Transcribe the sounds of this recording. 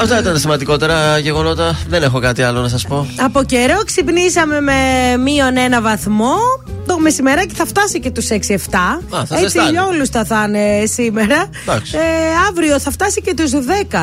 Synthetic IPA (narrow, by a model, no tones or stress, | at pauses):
ɐft̪ɐit̪ɐnesimɐnd̪iko̞t̪e̞ɾɐʝeɣo̞no̞t̪ɐðenexo̞kɐt̪iɐlonɐsɐspo̞ɐpo̞ceɾo̞ksipnisɐme̞memio̞ne̞nɐvɐθmo̞t̪ome̞simeɾɐceθɐft̪ɐsice̞t̪useksie̞ft̪ɐɐθesiʎɐolusθɐθɐnesime̞ɾɐ | d̪ɐksɐvɾio̞θɐft̪ɐsice̞t̪uzðekɐ